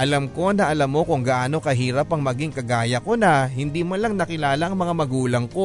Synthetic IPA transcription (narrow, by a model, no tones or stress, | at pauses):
ʔɐlɐmko̞nɐʔɐlɐmːo̞kʊŋɡɐʔaːno̞kɐɦiːɾɐpɐŋmɐɡiŋkɐɡaːjɐko̞nɐhɪnd̪iːmɐlɐŋnɐkɪlaːlɐʔɐŋmɐŋamɐɡuːlɐŋko̞